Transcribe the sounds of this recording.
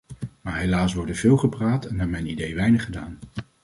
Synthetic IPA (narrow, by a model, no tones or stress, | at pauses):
maːɹɦejlaːsʋɔɹdənv̥ɪːlˠχəpraːtɛnːaːɹmɛjnidejʋɛjnəχəda̰ːn